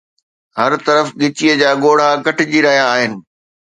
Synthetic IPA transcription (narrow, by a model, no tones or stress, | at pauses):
ɦɐɾt̪ɐɾəfɠɪt͡ɕiəd͡ʑaːɠoːɽ̤akɐʈɪd͡ʑiɾɐɦijaːɦɪnɪ̆